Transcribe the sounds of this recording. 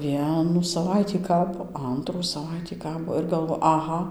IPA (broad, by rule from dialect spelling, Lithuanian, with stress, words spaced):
ˈʋʲiɛnuː sɐˈʋɐɪtʲiː ˈkɑːboː ˈɐntruː sɐˈʋɐɪtʲiː ˈkɑːboː ɪr ɡɐlˠˈʋoː ɐˈɣɐ